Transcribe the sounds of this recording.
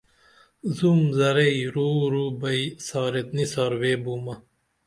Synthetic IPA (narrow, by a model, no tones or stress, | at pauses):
zumzɐɾɐjɾuːɾubɐisɑːɾet̪nisaːɾweːbuːmɐ